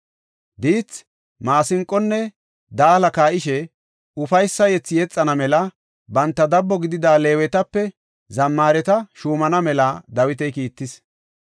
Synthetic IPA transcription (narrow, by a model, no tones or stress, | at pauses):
d̪iːt͡s | maːsɪŋkʼːɔnːɛ | d̪aːlɐkaːʔɪʃɛ | ʊfɐjsːɐjɛt͡sːɪjɛt͡sʼːɐnɐmɛlɐ | bɐnt̪ːɐd̪ɐbːɔɡɪd̪ɪd̪aːle̞ːwɛt̪ɐpːɛ | zɐmːaːɾɛt̪ɐʃuːmɐnɐmɛlɐd̪ɐwɪt̪̬ɛjkiːt̪ːɪs